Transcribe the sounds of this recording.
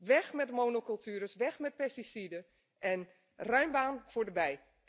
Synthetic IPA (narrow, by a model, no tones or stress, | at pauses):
ʋɛxmɛtmoːnokɔlˠtʰyːɾəsʋɛxmɛt̚pɛstisidə | ʔɛn | rœɥmbaːnfoːdəbɛj